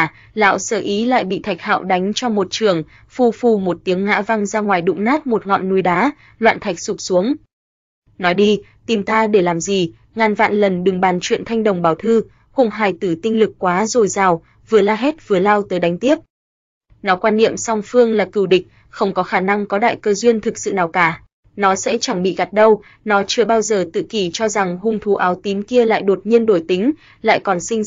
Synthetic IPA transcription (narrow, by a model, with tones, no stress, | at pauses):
la̰ː˧˨wsəː˧˩ʔi˨˦la̰ː˧˨jɓḭ˧˨t̪ʰa˨˩jk̟̚ha̰ː˧˨wɗa˨˦jŋ̟t͡ɕɔ˧mo˨˩t̚t͡ɕɨ˧˩əŋ | fu˧˩fu˧˩mo˨˩t̚t̪i˨˦əŋːa̰ː˧˥va˧ŋzaː˧ŋwaː˨˩jɗʊ̰˧˥ŋ͡mnaː˦˥t̚mo˨˩t̚ŋɔ̰˧˨nːu˧˩jɗaː˨˦ | lwa̰ː˧˨nt̪ʰa˨˩k̚sʊ˨˩k͡p̚su˨˦əŋ | nɔ˨˦jɗi˧t̪i˨˩mt̪aː˧ɗe˧˩laː˨˩mzi˨˩ | ŋaː˨˩nva̰ː˧˨nlə˨˩nɗɨ˨˩ŋɓaː˨˩nt͡ɕwḭ˧˨ənt̪ʰa˧jŋ̟ɗə˨˩wŋ͡mɓaː˨˩wt̪ʰɨ˧ | xʊ˧˩ŋ͡mɦaː˨˩jt̪ɨ˧˩t̪ï˧ŋ̟lɨ˨˩k̚kːwaː˨˦zo˨˩jzaː˨˩w | vɨ˨˩əlaː˧ɦɛ˦˥t̚vɨ˨˩əlaː˧wt̪əː˨˦jɗa˨˦ŋ̟t̪i˦˥əp̚ | nɔ˨˦kwaː˧nːḭ˧˨əmsa˧wŋ͡mfɨ˧əŋlaː˨˩kɨ˨˩wɗï˨˩k̟̚ | xə˧wŋ͡mkɔ˨˦xaː˧˩na˧ŋkɔ˨˦ɗa̰ː˧˨jkəː˧zwi˧ənt̪ʰɨ˨˩k̚sɨ̰˧˨naː˨˩wkaː˧˩ | nɔ˨˦sɛ̰˧˥t͡ɕa˧˩ŋɓḭ˧˨ɣa˨˩t̚ɗə˧w | nɔ˨˦t͡ɕɨ˧əɓaː˧wzəː˨˩t̪ɨ̰˧˨ki˧˩t͡ɕɔ˧za˨˩ŋhʊ˧˩ŋ͡mt̪ʰu˨˦ʔaː˨˦wt̪i˨˦mki˧əla̰ː˧˨jɗo˨˩t̚ɲi˧ənɗo˧˩jt̪i˨˦ŋ̟ | la̰ː˧˨jkɔ˨˩nsï˧ŋ